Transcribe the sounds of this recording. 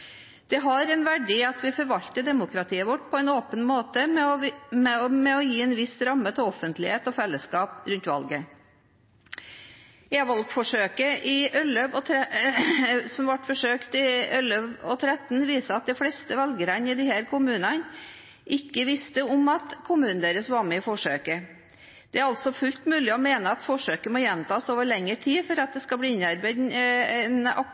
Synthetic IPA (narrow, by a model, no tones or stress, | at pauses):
d̪̥ɛɦɑɾɛnʋæɖiːɑt̪ʋɪfɔɾʋɑʎt̪əd̪ɛmʊkɾɑt̪ʰiːəʋɔʈ̚ːpʰɔɛɪnoːpənmoːt̪əmɛɔmɛmɛɔjiːɛnʋɪsɾɑmːət̪ʰɪɔfənt̪lɪheːt̪ɔfɛlːəskɑːpɾʉnt̪ʋɑ̰lɡə | ɛʋɔlk̪fɔʂøːkəʔɪœlœʋɔt̪ʰɾɛ | sɔmʋɑʈfɔʂøːkt̪ɪœløʋɔt̪ʰɾɛt̪ːnʋiːsəɑt̪̚d̪ɛɪflɛst̪əʋɛlɡəɾənɪd̪ɪhæːɾkʰʊmʉːnɑn | ʔɪkːəʋɪst̪əɔmɑt̪kʰʊmʉːnn̩d̪eːɾəsʋɑɾmɛɪfɔʂøːkə | d̪̥ɛæɾɑlsɔfʉlt̪mʉːlɪɔmeːnəɑt̪fɔʂøːkəmɔːjɛnmt̪ʰɑːsoːʋəɭɛŋːəʈʰiːfɔɾɑt̪̚d̪ɛskɑbliːɪnɑɾbæɪd̪nɛnɑ̰